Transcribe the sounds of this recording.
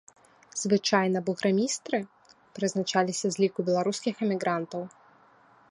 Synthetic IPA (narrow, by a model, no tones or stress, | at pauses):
z̥vɨt͡ʂajnɐbuɣɾamʲist̪ɾɨ | pɾɨznat͡ʂalʲisʲɐzʲlʲikubʲɛlˠaɾuskʲixɛmʲiɣɾant̪ɐw